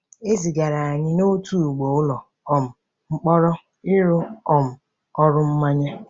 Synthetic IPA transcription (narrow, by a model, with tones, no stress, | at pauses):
e˦zi˨ɡa˨ɾa˨a˨ɲɪ˦no˦tu˦˨ɡ͡bo˨ʊ˦lɔ˨ | ɔ˨m̩˨ | ŋ͡m̩˦k͡pɔ˦ɾɔ˦ | ɪ˦ɾʊ˦ɔ˨m̩˨ | ɔ˦ɾʊ˦m̩˦ma˦ɲe˦